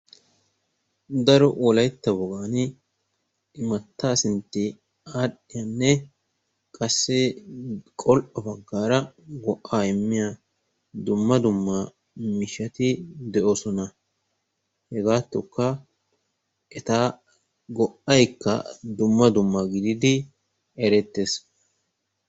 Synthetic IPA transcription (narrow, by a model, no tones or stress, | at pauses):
d̪ɐɾɔʔɔlɐjt̪ːɐbɔɡaːn | mɐt̪ːaːsɪnt̪ːɪ | aːɗɪjanːɛ | kʼɐsːɛ | kʼɔlʔɔbɐɡːaːɾɐɡɔʔːaːɪmːɪja | d̪ʊmːɐd̪ʊmːɐ | mɪʃɐt̪ɪd̪ɛʔosɔnɐ | hɛɡaːt̪ːɔkːɐ | ɛt̪aː | ɡɔʔɐjkːɐ̰d̪ʊmːɐd̪ʊmːɐɡɪd̪ɪd̪ɪ | ɛɾɛt̪ːes